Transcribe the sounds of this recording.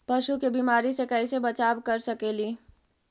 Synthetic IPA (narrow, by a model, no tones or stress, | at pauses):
pɐʃukebimaːɾisekɛɪsebɐt͡ʃaːʋkɐɾsɐkeːliː